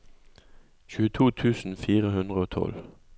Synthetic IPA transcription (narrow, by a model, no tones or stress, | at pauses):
çʉːət̪ʰuːt̪ʰʉːsn̩fiːʁəɦʉnd̪ʁəoːt̪ʰɔ̰l